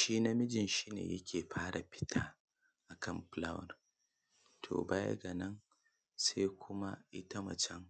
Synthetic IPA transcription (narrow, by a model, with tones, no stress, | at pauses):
ʃiː˦na˦mɪ˦d͡ʒɪ˨nʃiː˦nḛː˨jɐ̰˦kʲʰeː˨ɸʰaː˦ɽa˨ɸɪ̥˦tʰaː˦ | ʔa˨kʰɐ˦˨mɸla˦wɐ̰˨r | tʰo̰ː˨baː˦ja̰˦ɡa˨nɐ˦n | se˦jkʷʰʊ˦ma˦ʔɪ˦ta˦mɐ˨t͡ʃɛ˦ŋ